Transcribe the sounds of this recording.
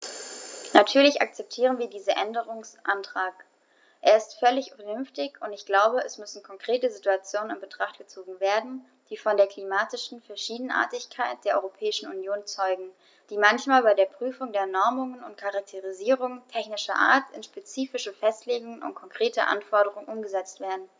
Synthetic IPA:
natʰyːɐlɪça̰k̚t͡sɛp̚tʰiːʁ̞ənviːɐdiːzɐʔɛndəʁ̞ʊŋsʔantʁ̥aːk | ʔeːɐɪstfœlɪçfɛnʏnftɪçʊntɪçɡ̥laʊbəɛsmʏsn̩kʰɔŋkʁ̥eːtəzituat͡sjoːnənɪnbətʁ̥aχt̚ɡ̥ət͡soːɡŋ̩veːɐdn̩ | d̥iːfɔndeːɐkʰl̥imaːtɪʃn̩fɛɐʃiːdn̩ʔa̰ɐtɪçkʰaɪt̚d̥eːɐɔ̰ʏʁopʰɛːɪʃn̩unjoːnt͡sɔʏɡŋ̩ | d̥iːmançmaːlbaɪdeːɐpʁ̥yːfʊŋdeːɐnɔɐmʊŋənʊntkʰaʁak̚tʰeʁiziːʁʊŋtʰɛçnɪʃɐ̰ʔa̰ːɐtɪnʃpet͡siːfɪʃəfɛstleːɡʊŋənʊ̰nt̚kʰɔŋkʁ̥eːtə̰ʔa̰nfɔɐɾəʁ̞ʊŋənʔʊmɡəzɛt͡stv̥eːɐdn̩

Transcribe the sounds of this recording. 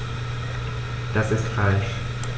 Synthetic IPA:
d̥asɪstfalʃ

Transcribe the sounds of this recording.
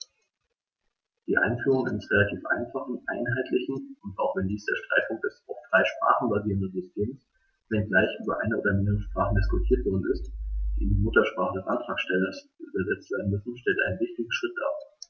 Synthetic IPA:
d̥iːʔa̰ɪnfyːʁ̞ʊŋa̰ɪnəsʁelatʰiːfʔa̰ɪnfaχn̩ʔa̰ɪnɦaɪtʰlɪçn̩ʊntaʊxv̥ɛndiːsd̥eːɐʃtʁ̥aɪt̚pʰʊŋk̚td̥ɛsaʊffʁ̥aɪʃpʁ̥a̰ːχn̩baziːʁəndənzʏstʰeːms | v̥ɛnɡlaɪçʔyːbɐʔa̰ɪnəʔoːdɐmɪndəʁəʃpʁ̥aːχn̩dɪskʊtʰiːɐtv̥ɔɐdn̩ɪstd̥iːɪndimʊtɐʃpʁ̥aːχədɛsʔantʁ̥aːksʃtɛlɐsʔyːbɐzɛt͡stv̥eːɐdn̩mʏsn̩ʃtɛltʔa̰ɪnənvɪçtɪɡŋ̩ʃʁ̥ɪt̚d̥a̰ː

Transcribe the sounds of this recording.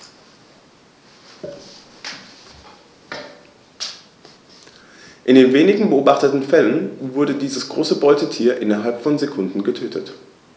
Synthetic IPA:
ʔɪndeːnveːnɪɡŋ̩bəʔoːbaχtətn̩fɛlənvʊɐdədiːzəsɡ̥ʁoːsəbɔʏtətʰiːɐʔɪnɐɦalpfɔnzekʰʊndn̩ɡətʰøːtʰət

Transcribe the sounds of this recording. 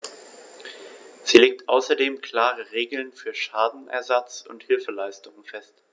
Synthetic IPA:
z̥iːleːk̚tʔaʊsɐdeːmkʰl̥aːʁəʁeːɡl̩nfyːɐʃaːdn̩ʔɛ̰ɐzat͡sʊ̰nthɪlfəlaɪstʊŋənfɛst

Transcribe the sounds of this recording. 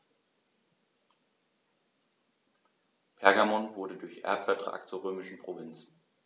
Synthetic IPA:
pʰɛɐɡamɔnvʊɐɾədʊɐçʔɛ̰ɐpfɛɐtʁ̥a̰ːk̚tt͡suːɐʁøːmɪʃn̩pʁ̥ovɪnt͡s

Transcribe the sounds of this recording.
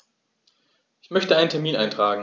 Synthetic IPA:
ʔʔɪçmœçtəʔaɪnəntʰɛɐmiːna̰ɪntʁ̥aːɡŋ̩

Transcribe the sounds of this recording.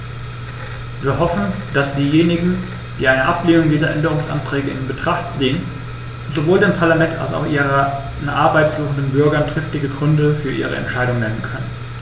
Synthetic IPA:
viːɐɦɔfn̩d̥asd̥iːjeːnɪɡŋ̩ | d̥ḭːʔaɪnəʔapleːnʊŋdiːzɐʔɛndəʁʊŋsʔa̰ntʁ̥ɛːɡəɪ̰nbətʁ̥aχtz̥eːən | ʊntz̥ovoːldeːmpʰaɐlamɛnta̰lsa̰ʊxʔiːʁ | nʔaɐbaɪtsloːn̩dənbʏɐɡɐntʁ̥ɪftɪɡəɡʁʏndəfyːɐʔiːʁə̰ɛ̰ntʃaɪdʊŋnɛnənkʰœnən

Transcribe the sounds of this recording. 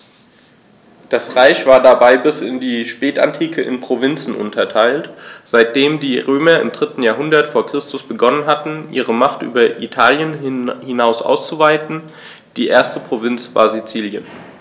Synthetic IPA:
d̥asʁaɪçv̥aːɐdabaɪbɪsɪndiːʃpɛːta̰ntʰiːkʰəʔɪ̰npʁ̥ovɪnt͡sn̩ʔʊ̰ntʰɐtʰaɪltz̥aɪt̚d̥eːmdiːʁøːmɐɪ̰mdʁɪtn̩jaːɐɦʊndɐtfoːɐkʁ̥ɪstʊsb̥əɡɔnənɦatn̩ʔḭːʁ̞əmaχtʔy̰ːbɐʔitʰaːljənhɪnaʊsʔa̰ʊst͡suvaɪtn̩ | d̥iːʔeːɐstəpʁ̥ovɪnt͡sv̥a̰ːɐzit͡siːljən

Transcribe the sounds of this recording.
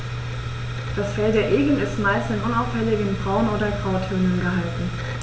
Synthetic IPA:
d̥asfɛldeːɐʔeːɡən̩ɪstmaɪstɪnʔʊnaʊfɛlɪɡənbʁaʊnoːdɐɡʁaʊtʰʏɐnənɡəɦaltn̩

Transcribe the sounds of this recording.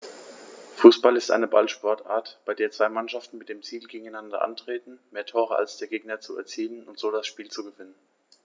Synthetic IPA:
fuːsb̥alɪstʔa̰ɪnəbalʃpɔɐtʔa̰ːɐtb̥aɪdeːɐt͡sv̥aɪmanʃaftn̩mɪt̚d̥eːmt͡siːlɡeːɡŋ̩aɪnandɐ̰ʔa̰ntʁ̥eːtn̩meːɐtʰoːʁ̞əa̰lsd̥eːɐɡeːɡ̚nɐt͡suɛ̰ɐt͡siːlənʊntz̥oːdasʃpiːlt͡suɡəvɪnən

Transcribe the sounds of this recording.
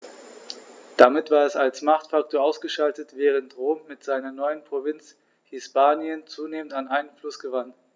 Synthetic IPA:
d̥amɪtv̥aːɐɛsalsmaχtfak̚tʰoːɐʔaʊsɡ̥əʃaltətv̥ɛːʁ̞əntʁoːmːɪtz̥aɪnɐnɔʏənpʁ̥ovɪnt͡s | hɪspaːnjənt͡suːneːməntanʔaɪnənflʊsɡ̥əvan

